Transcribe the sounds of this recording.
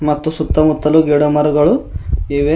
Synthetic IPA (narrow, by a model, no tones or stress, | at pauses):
mɐt̪ːusut̪ːɐmut̪ːɐluɡeɽomɐɾuɡɐɭuiʋe